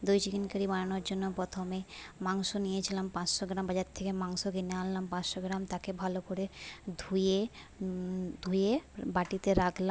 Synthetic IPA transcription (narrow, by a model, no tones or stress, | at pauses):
d̪ujd͡ʑiɡinkaɾibaɽanoɾd͡ʑonːopɾɔt̪ʰomemaŋʃonijet͡ɕʰilampãt͡ɕʃoɡɾambad͡ʑaɾt̪ʰekemaŋʃoɡinealːampãt͡ɕʃoɡɾamt̪akebʱalokoɾed̪ʱuje | d̪ʱujebaʈit̪eɾakʰla